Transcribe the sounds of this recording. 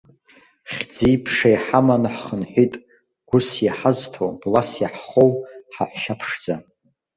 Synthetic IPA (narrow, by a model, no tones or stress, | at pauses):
χʲd͡zijpʰʂajħamanħχənħʷitʼ | ɡ̥ʷʊsjaħaztʰowblasjaħχowħaħʷʃapʰʂd͡za